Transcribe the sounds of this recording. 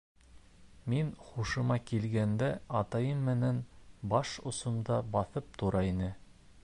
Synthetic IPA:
minχuʃɤ̆mɑkilɡænd̪æɑt̪ɑjɤmːɘ̆nænbɑʃŏsŏmd̪ɑbɑθɤp̚t̪uɾɑinɘ

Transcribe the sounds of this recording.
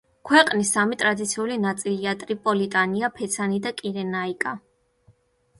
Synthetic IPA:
kʰwɛqʼnisːamit̪ʼɾad̪it̪sʰiulinat̪sʼiliat̪ʼɾipʼɔlit̪ʼaniapʰɛt̪sʰanid̪akʼiɾɛnaikʼa

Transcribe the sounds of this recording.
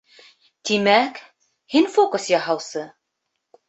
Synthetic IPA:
t̪imæk | hinfokŏsjɑɦɑwsɤ

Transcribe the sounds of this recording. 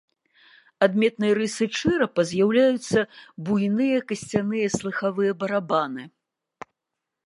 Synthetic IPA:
ad̪mʲɛt̪nɨjɐɾɨsɨt͡ʂɨɾɐpɐzʲjawlʲajut̪sːɐbujnɨjɐkɐsʲt͡sʲanɨjɐslˠɨxavɨjɐbɐɾabanɨ

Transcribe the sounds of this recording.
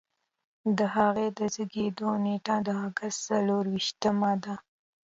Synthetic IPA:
d̪əɦaɣed̪əzəɡed̪oneʈad̪əaɡast̪saloɾwiʃt̪əmad̪a

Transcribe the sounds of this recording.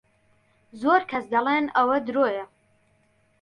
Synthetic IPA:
zoːɾkʰɐsd̪ɐlˠeːnɐwɐd̪ɾoːjɐ

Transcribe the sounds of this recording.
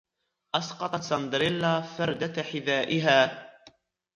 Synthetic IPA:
ʔɑsqɑt̪ˤɑt̪sɑnd̪ɾɪlːafɑɾˤd̪aħɪðaːʔɪɦaː

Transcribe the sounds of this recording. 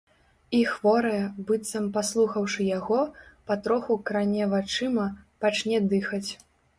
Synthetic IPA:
ixvɔɾɐjɛbɨt̪sɐmpaslˠuxɐwʂɨjaɣɔpɐt̪ɾɔxukɾanʲɛvat͡ʂɨmɐpat͡ʂnʲɛd̪ɨxɐt͡sʲ

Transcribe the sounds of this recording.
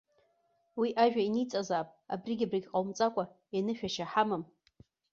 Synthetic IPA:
wiʔaʒᶣainit͡sʼazaːpʼa̰briɡʲabriɡʲqʼawmt͡sʼakʷʼa | anɨʃᶣaʃaħamɨm

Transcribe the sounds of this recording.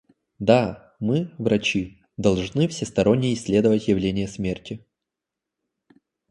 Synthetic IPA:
d̪a | mɨvɾɐt͡ɕi | d̪ɐlˠʐnɨfsʲɪst̪ɐɾo̞nʲːɪjɪsʲlʲe̞d̪əvətʲjɪvlʲenʲɪjəsmʲertʲɪ

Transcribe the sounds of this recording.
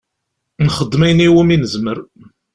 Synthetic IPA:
nχəd̪ːmæjniwəminəzməɾ

